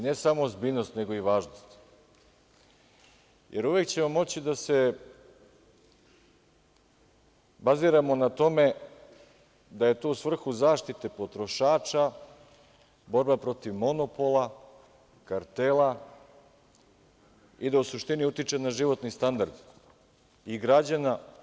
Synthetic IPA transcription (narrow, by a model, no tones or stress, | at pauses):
ine̞samozbiːnost̪ne̞ɡo̞iʋaːʒnost̪ | jʔe̞ɾuʋe̞kt͡ɕe̞mo̞mo̞t͡ɕid̪ase̞ | baziːɾamo̞nat̪o̞me̞ | d̪aje̞t̪o̞usʋvr̩xuzaːʃt̪it̪e̞po̞t̪ɾo̞ʃaːt͡ʃa | bo̞ɾbapɾo̞t̪iʋmo̞no̞po̞lˠa | kaɾt̪ela | id̪ausuʃt̪iniut̪it͡ʂe̞naʒiʋo̞t̪nist̪and̪aɾd̪ | iɡɾad͡ʑana